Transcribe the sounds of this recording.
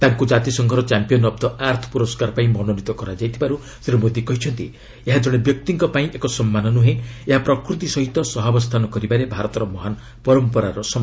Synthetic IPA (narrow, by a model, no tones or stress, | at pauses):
t̪aŋkud͡ʒat̪isɔŋɡʱɔɾɔt͡ʃampijɔnɔbd̪ɔaɾt̪ʰɔ̥puɾɔskaɾpaĩmɔnonit̪ɔkɔɾad͡ʒajt̪ʰibaɾu | seɾumod̪ʱikɔɦit͡ʃʰɔnt̪i | eɦad͡ʒɔɽ̃ebjɔk̚t̪iŋkɔpaĩʔekɔsɔmːanɔnuɦẽeɦapɾɔkɾut̪isɔɦit̪ɔsɔɦabɔst̪ʰanɔkɔɾibaɾebʱaɾɔt̪ɔɾɔmɔɦan | pɔɾɔmpɔɾaɾɔsɔm